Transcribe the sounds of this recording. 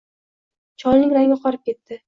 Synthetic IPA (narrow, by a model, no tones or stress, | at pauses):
t͡ʃʰɒlnɪŋʲɾaŋʲɪqʰɒɾɪp̚kʲe̞t̪ːɪ